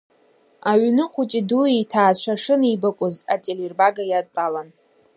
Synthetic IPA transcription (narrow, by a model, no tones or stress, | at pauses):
aɥnɨχʷʊt͡ʃʼiduitʰaːt͡ɕʷʰaʂɨnibakʷʼʊzatʼelirbaɡajadpʼalan